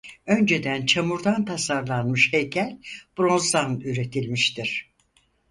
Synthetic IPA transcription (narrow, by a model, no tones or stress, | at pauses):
ø̞nd͡ʒe̞d̪ænt͡ʃʰamuɾd̪ant̪ʰasaɾlˠanmɯʃhejcʰælʲb̥ɾõ̞nzd̪anyɾe̞t̪ʰilʲmiʃt̪ʰiɾ̥